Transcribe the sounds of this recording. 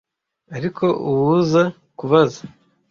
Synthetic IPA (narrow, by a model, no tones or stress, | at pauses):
aɾikʰo̞uwuza | kuβaza